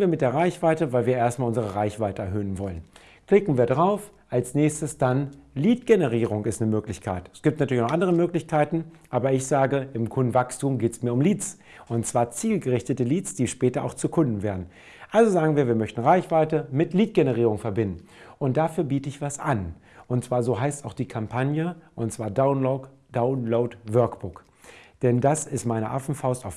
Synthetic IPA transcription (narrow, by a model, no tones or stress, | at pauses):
viːɐmɪtd̥eːɐʁaɪçv̥aɪtəvaɪlviːɐʔeːɐstmaːlʔʊnzəʁ̞əʁaɪçv̥aɪtəɛɐɦøːənvɔlən | kl̥ɪkŋ̩viːɐdʁaʊf | ʔalsnɛːçstəsd̥anliːtɡ̥enəʁiːʁʊŋɪstnəmøːklɪçkʰa̰ɪtɛsɡ̥iːp̚tnatyːɐlçnɔχʔandəʁəmøːklɪçkʰaɪtn̩ʔaːbɐɪçz̥aːɡəɪmkʰʊndn̩vakstuːmɡeːtsmiːɐʊmliːt͡s | ʊntt͡sv̥aːɐt͡siːlɡəʁɪçtətəliːt͡sd̥iːʃpɛːtɐʔaʊxt͡sukʰʊndn̩veːɐdn̩ | ʔalzozaːɡŋ̩viːɐviːɐmœçtn̩ʁaɪçv̥aɪtəmɪtliːt̚ɡ̥enəʁ̞iːʁ̞ʊŋfɛɐbɪndn̩ʔʊnt̚d̥afyːɐbiːtəɪçv̥asʔan | ʔʊntt͡sv̥aːɐzoːɦaɪstaʊxd̥iːkʰampʰanjəʔʊntt͡sv̥aːɐdaʊnloʊt | d̥aʊnloʊtvœɐkb̥ʊk | d̥ɛndasɪstmaɪnə̰ʔafn̩faʊstaʊf